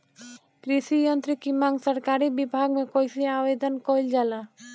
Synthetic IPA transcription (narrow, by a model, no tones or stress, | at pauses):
kɾisijənt̪ɾikimãŋɡsəɾkaɾibibʱaɡmẽkojsiaʋed̪ənkoild͡ʒala